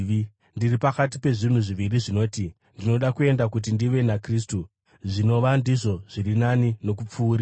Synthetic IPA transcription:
ndiripakatipe̞ʐin̤uʐiʋiriʐino̞ːti | ndino̞ɗakue̞ndakut̬indiʋe̞nakris̬tu | ʐino̞ʋandiʐo̞ʐ̥iɾinanino̞kup͡fuːɾi

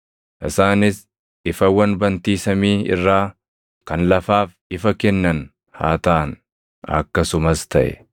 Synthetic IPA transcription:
ʔɪsaːnɪs | ɪfɐwɐnbɐnt̪iːsɐmiːɪ̰rːaː | kɐnlɐfaːf | ɪfɐkɛnːɐn | ha̰ːt̪ɐʔɐn | ɐ̰kːɐsʊmɐst̪ɐʔɛ̰

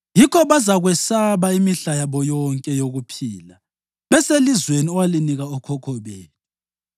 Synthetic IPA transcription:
jikʰɔβazaɣwɛsaβaimiɬajaβɔjɔŋkʼɛjoɣupʰiːla | βɛselizweniɔwaliniɣaɔkʰɔkʰɔβeːnu

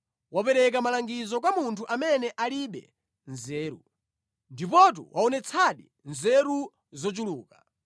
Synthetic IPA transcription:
wapɛɾɛk̬amalaŋɡizɔk̬wamuntʰuʔamɛnɛʔaliɓɛ̰ | nzɛːɾṵ | ndip̬ɔt̬ṵwʔaɔnɛt͡sʰaɗḭ | nzɛɾu | zɔt͡ʃuluːka

